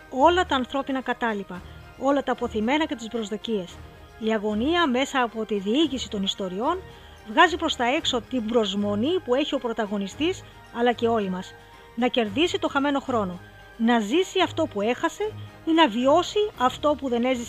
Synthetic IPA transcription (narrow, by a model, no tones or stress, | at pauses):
o̞lɐt̪ɐːnθɾo̞pinɐkɐt̪ɐlipɐ | o̞lɐt̪ɐpo̞θime̞nɐce̞t̪isbɾo̞zðo̞cie̞s | iɐɣo̞niɐme̞sɐːpo̞t̪iðiiʝisit̪o̞nist̪o̞ɾio̞n | vɣɐzipɾo̞st̪ɐe̞kso̞t̪imbɾo̞zmo̞nipue̞çio̞pɾo̞t̪ɐɣo̞nist̪is | ɐlɐce̞o̞limɐs | nɐce̞ɾðisit̪o̞xɐme̞no̞xɾo̞no̞ | nɐzisiɐft̪o̞pue̞xɐse̞ | inɐvio̞siɐft̪o̞puðe̞ne̞zi